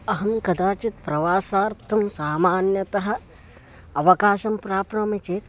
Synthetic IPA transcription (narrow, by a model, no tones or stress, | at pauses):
ɐɦɐmkɐd̪aːt͡ʃit̪̚pɾɐʋaːsaːɾt̪ʰɐmsaːmaːnjɐt̪ɐɦɐ̆ | ɐʋɐkaːʃɐmpɾaːpɾɐmɐt͡ʃeːt̪